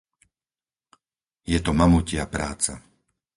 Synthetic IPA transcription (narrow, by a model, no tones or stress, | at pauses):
jɛt̪ɔmamucɪapɾaːt͡sa̰